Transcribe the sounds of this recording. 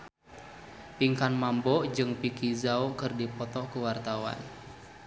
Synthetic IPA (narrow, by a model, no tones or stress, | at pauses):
piŋkanmambɔʔd͡ʒɨŋpikizaukɨrdipɔt̪ɔkuwart̪awa̰n